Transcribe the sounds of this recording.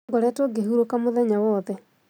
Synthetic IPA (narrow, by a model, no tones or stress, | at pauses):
ɡoɾɛːtoɡeɦuɾokamoðɛɲawɔðɛ